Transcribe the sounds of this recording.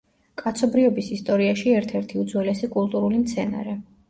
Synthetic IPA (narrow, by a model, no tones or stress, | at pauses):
kʼat̪sʰɔbɾiɔbisist̪ʼɔɾiaʃiɛɾt̪ʰɛɾt̪ʰiud̪zwɛlɛsikʼulˠt̪ʼuɾulimt̪sʰɛna̰ɾɛ